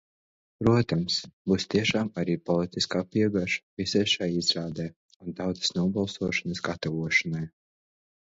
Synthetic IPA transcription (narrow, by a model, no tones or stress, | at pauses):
pɾuɔt̪amsbuːst̪iɛʃaːmaɾiːpɔlˠit̪iskaːpiɛɡaʒḁvisajʃajizɾaːd̪ɛj | unt̪aw̪zə̥snuɔbalˠsuɔʃanɐsɡat̪ɔvuɔʃanaj